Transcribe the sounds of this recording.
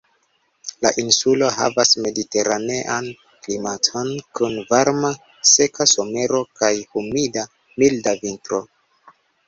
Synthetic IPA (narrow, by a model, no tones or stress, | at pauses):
la̰ʔinsulo̞ɦa̰vasme̞dite̞ɾane̞ʔan | klimatʰo̞nkunvaɾma | se̞kaso̞me̞ɾo̞kajhumida | mildavintɾo̞